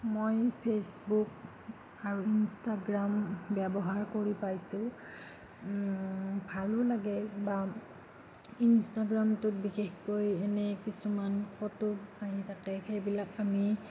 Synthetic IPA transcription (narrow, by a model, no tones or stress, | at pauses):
mojpʰesbuk̚ | aɹuinstaɡɹambɛbɔɦaɹkoɹipajsʊ | bʱalʊlaɡɛba | instaɡɹamtʊt̚bixexkojɛnɛkisumanxʰɔtʊbaɦitʰakɛxejbilakami